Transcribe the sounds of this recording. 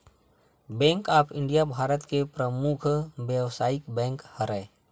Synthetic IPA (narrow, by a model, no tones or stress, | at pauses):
bɛ̃ːŋkaːpʰɪ̃ɳɖijabʱaːɾət̪kepɾəmʊkʰbjəwsaːɪkbɛ̃ːŋkhəɾəe